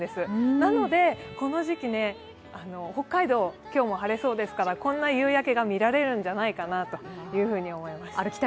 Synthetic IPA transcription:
d̪e̞sɨnano̞d̪e̞ko̞no̞ʑikʲine̞ | ano̞ho̞kːaid̪o̞ːkʲo̞ːmo̞ɦaɾe̞so̞ːd̪e̞sɨ̥kaɾakõ̞nːajɯ̟ːjake̞ɡamʲiɾaɾe̞ɾɯ̟̃ɲ̟d͡ʑanaikanat̪o̞jɯ̟ːɸɯ̟ːɲ̟io̞mo̞imasɨaɾɯki̥t̪

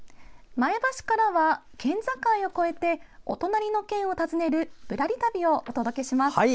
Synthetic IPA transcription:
maebaɕi̥kaɾaβakẽ̞nd͡zakãio̞ko̞e̞t̪e̞o̞̰t̪o̞naɾʲino̞kẽ̞ɰ̃o̞t̪azɨne̞ɾɯ̟b̥ɯ̟ɾaɾʲit̪abʲio̞ʔot̪o̞d̪o̞ke̞ɕimas

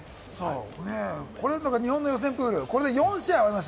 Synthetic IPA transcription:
so̰ːneko̞ɾenãŋkaɲ̟iɦõnːojos̬ẽ̞mpɯːɾɯ̟ko̞ɾe̞d̪ejõ̞ɰ̃ɕiaβaɾimaɕ

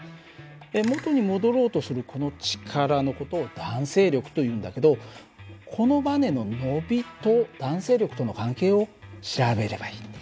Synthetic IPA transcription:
emo̞t̪o̞ɲ̟imo̞d̪o̞ɾo̞ːt̪o̞sɨɾɯ̟kʰo̞not͡ɕi̥kʰaɾano̞ko̞t̪o̞ːd̪̥ãɰ̃se̞ːɾʲo̞kɯ̟̥t̪o̞jɯ̟̃ːnd̪ake̞d̪o̞ | kʰo̞no̞bane̞no̞no̞bʲit̪o̞d̪̥ãɰ̃se̞ːɾʲo̞kɯ̥t̪o̞no̞kãŋke̞ːo̞ɕiɾabe̞ɾe̞baiː

